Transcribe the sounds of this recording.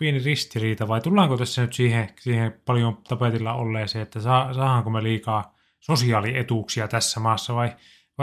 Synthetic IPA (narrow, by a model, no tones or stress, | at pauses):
pienirist̪iriːt̪ɑʋɑit̪ulːɑːŋkot̪æsːænyt̪siːhẽsiːhepɑl̆jomt̪ɑpet̪ilːɑ̰o̰lːeːseːet̪ːæsɑːsɑːhɑŋkomeliːkɑː | sosiɑːliet̪uˑksiɑt̪æsːæmɑːsːɑʋɑi | ʋɑ